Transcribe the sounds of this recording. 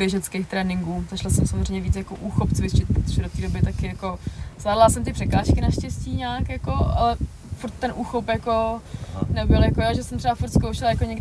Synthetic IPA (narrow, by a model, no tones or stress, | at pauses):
bjɛʒɛt͡skeːxt̪ɾɛːnɪŋɡuːzat͡ʃlasɛmsamozr̝ejɲɛviːt͡sjakoʔuːxopt͡svɪt͡ʃɪt̪̚pɾot̪oʒɛdo̞t̪iːdobɪt̪akɪjako̞zvaːdlasɛmt̪ɪpr̥ɛkaːʃkɪnaʃcɛsciːɲaːkjako̞ʔa̰lɛ | fuɾt̪ːɛnʔuːxopjako̞ | nɛbɪljakojaːʒɛsɛmt̪rɛbafuɾt̪skowʃɛlajakoɲɛɡɪ